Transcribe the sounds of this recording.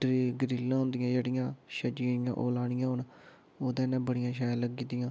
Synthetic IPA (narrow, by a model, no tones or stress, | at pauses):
ɾiːɡɾiːlːãːɦʊ̃nd̪ɪjãːd͡ʒeːɽɪjãːʃəd͡ʒɪjã̰ːʔoːlaːɽɪjãːɦʊn | oːd̪ɛ̃ːnɛ̃ːbəɽɪjãːʃ̬aːjaləɡkːiːt̪ɪjãː